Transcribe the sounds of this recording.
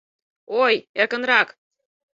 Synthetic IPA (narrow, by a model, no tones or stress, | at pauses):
ojerkə̆nrɑk